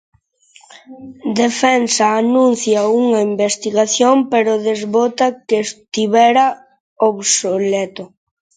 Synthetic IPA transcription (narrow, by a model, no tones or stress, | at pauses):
d̪efɛnsaːnũn̟θjauŋɐimbest̪iɣaθjompeɾʊðezβot̪akest̪iβɛɾa | oβsolɛt̪o